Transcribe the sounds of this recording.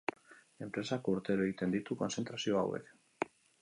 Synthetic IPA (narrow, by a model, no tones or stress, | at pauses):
e̞mpɾe̞sakouɾt̪e̞ɾoe̞ɣit̪e̞nd̪it̪uko̞nse̞nt̪ɾasio̞a̰we̞̰k